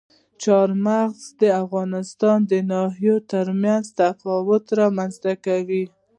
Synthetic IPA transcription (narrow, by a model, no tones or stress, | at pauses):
t͡ʃɑɾmaɣzd̪əafɣɑnɪst̪ɑnd̪ənɑɦijot̪əɾmjanzt̪afɑwʊt̪ɾɑmanzt̪akawi